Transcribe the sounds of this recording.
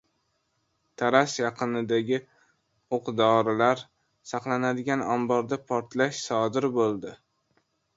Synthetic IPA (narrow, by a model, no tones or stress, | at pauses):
t̪ʰaɾasjɑqʰɨnɪd̪aɡʲɪ | oqd̪ɒɾɪlaɾ | sɑqlˠanad̪ɪɡʲanɒmbɒɾd̪apʰɒɾt̪laʃsɒd̪ɪɾbolˠd̪ɪ